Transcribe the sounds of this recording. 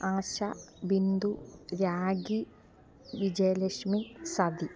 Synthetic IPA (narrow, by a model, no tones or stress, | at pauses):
aːɕɐbind̪uɾaːɡi | ʋid͡ʑɐjɐleʂmisɐd̪i